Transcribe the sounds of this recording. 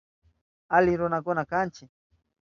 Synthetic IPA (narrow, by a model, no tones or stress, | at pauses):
alɪɾʊnakʊnakant͡ʃɪ